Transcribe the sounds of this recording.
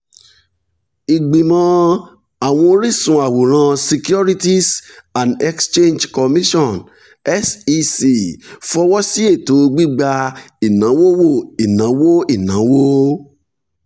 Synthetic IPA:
i˨ɡ͡bi˨mɔ̃˧ | a˨w̃ɔ̃˧o˧ɾi˦sũ˨˧a˨wo˨ɾ̃ã˧si˧kju˦ɾi˦ti˦sã˨nɛ˦kst͡ʃẽ˦nd͡ʒkɔ˨mĩ˦ʃɔ̃˦˨n | ɛ˦si˧si˧˨fɔ˧wɔ˦si˦e˦˨to˨˦˧ɡ͡bi˦ɡ͡ba˧ | i˨nã˨˦wo˦wo˦˨i˨nã˨˦wo˦i˦˨nã˨˦wo˦

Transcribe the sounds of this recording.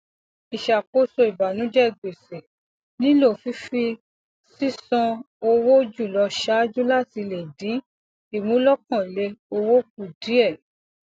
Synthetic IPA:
i˨ʃa˨k͡po˨˦so˧i˨ba˨nũ˨˦d͡ʒɛ˦˨ɡ͡be˨se˨ | nĩ˦lo˦˨fi˨˦fi˧ | si˦sɔ̃˧ | o˧wo˦d͡ʒu˦˨lɔ˧ʃa˦d͡ʒu˦la˦˨ti˧le˨dĩ˨˦ | i˦˨mũ˨˦lɔ˦kɔ̃˦˨le˧o˧wo˦k̚u˨di˨˦ɛ˦˨

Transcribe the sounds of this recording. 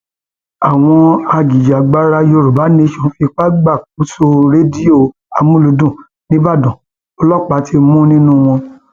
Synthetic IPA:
a˨w̃ɔ̃˧a˧d͡ʒi˨d͡ʒa˨ɡ͡ba˦ɾa˦jo˧ɾu˨ba˨˦nĩ˧˦ʃɔ̃˨˧fi˧k͡pa˦ɡ͡ba˦˨k̚u˨˦so˧ɾe˦di˦o˦˨ | a˨mũ˦lu˨˧˦dũ˦˨ | nĩ˦ba˦˨dɔ̃˨ | o˧lɔ˦˨k͡pa˨˦tʰi˧˦mũ˦nĩ˦nũ˦w̃ɔ̃˧

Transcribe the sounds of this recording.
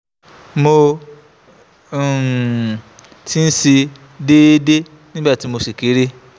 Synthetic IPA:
mo˧˨ | tʰi˦n̩˦si˧ | de˦de˦ | nĩ˦ba˦˨ti˨˦mo˧si˨ki˨˦ɾi˦

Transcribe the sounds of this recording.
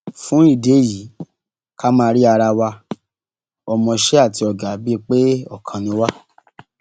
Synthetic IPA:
fũ˦i˦˨de˨˦˨ji˨˦ | ka˦mãː˦˧ɾi˦a˧ɾa˧wa˧ | ɔ˧mɔ̃˧ʃe˦a˦˨ti˧ɔ˨ɡa˨bi˦˧k͡pe˦ɔ˦˨kʰã˧nĩ˧˦wa˦

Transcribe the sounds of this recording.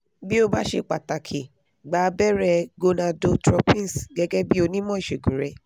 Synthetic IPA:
bi˦o˦ba˦ʃe˧k͡pa˨ta˨kʰi˨ | ɡ͡baː˨˧bɛ˦ɾɛ˧ɡo˧nã˧do˧tɾɔ˧pĩ˦˨sɡɛ˧ɡɛ˦bi˦o˧nĩ˦mɔ̃˦i˦˨ʃe˨ɡũ˨ɾɛ˧˦

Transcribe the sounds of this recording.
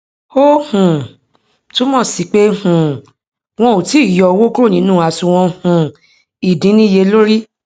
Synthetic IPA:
o˦hũ˨ | tu˦mɔ̃˦˨si˨k͡pe˦hũ˨ | w̃ɔ̃˧o˨ti˨˦i˦˨jɔ˧˨˧wo˦ku˦ɾo˦˨ĩ˨˦nũː˦˨a˨˧˨sũ˧w̃ɔ̃˧hũ˨ | i˨dĩ˨˦nĩ˦˨je˧lo˦ɾi˦

